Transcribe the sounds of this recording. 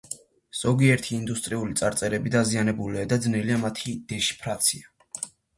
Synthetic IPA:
z̥ɔɡiɛɾt̪ʰiːnd̪ust̪ʼɾiulit̪sʼaɾt̪sʼɛɾɛbid̪azianɛbuliad̪ad̪znɛliamat̪ʰid̪̥ɛʃi̥pʰɾat̪sʰia

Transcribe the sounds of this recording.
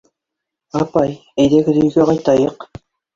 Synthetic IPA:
ɑpɑj | æjðækɘ̆ɾijɡæqɑjt̪ɑjɤq

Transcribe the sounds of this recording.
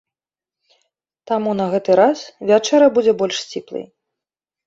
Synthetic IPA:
t̪amunɐɣɛt̪ɨɾasvʲat͡ʂɛɾɐbud͡zʲɛbɔlʲʂsʲt͡sʲiplˠɨ̰j

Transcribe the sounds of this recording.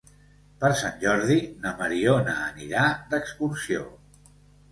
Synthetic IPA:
pəɾsanʲʒɔɾðinəməɾionəːnḭɾad̪əkskuɾsio̰

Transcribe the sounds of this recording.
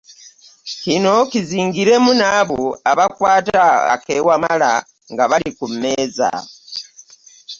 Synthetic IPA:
kino̞kiziːŋɡiɾe̞munaβuaβakwaːtaa̰kewamala | ŋɡaβalikumːe̞ːza̰

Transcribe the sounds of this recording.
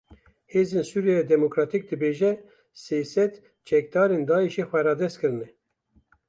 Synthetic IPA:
heːzeːnsuːɾjɛjɛd̪ɛmokɾɑt̪ik̚d̪ɨbeːʒɛ | seːsɛt̪ | t͡ʃʰɛk̚d̪ɑːɾeːnd̪ɑːeʃeːxʷɛɾɑːd̪ɛst̪kɨɾɨnɛ

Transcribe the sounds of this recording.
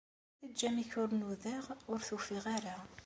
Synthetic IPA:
id͡ʒːæmiçʊɾnuðaʁʊɾθufiʁaɾa

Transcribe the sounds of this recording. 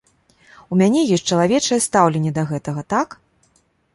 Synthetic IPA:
umʲanʲɛjɔsʲtʲt͡ʂɐlˠavʲɛt͡ʂɐjɛst̪awlʲɛnʲːɛd̪ɐɣɛt̪ɐɣɐt̪ak

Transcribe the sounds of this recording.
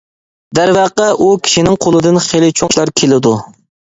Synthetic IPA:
d̪æɾvæqːɑʔukʲʰi̥ʃinɪŋqʰolˠɨd̪ɨnχelˠɪt͡ʃʰoŋʃlˠɑɾkʲʰelɪd̪u

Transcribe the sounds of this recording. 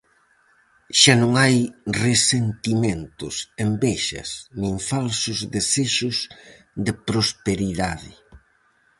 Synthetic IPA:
ʃanõŋajresent̪imẽnt̪ʊsembeʃɐ̰snĩŋfalsʊzðeseʃʊs | ðɪpɾospeɾiðaðɪ

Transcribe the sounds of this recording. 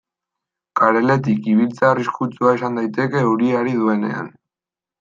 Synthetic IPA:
kaɾe̞le̞t̪̬ikiβ̞ilt͡saariskut͡suae̞sand̪ajt̪e̞ke̞uɾiaɾiðue̞ne̞̰a̰n

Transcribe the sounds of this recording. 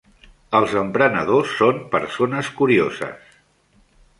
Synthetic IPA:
əlˠzəmpɾənəð̞osːompəɾsonəskuɾiozə̰s

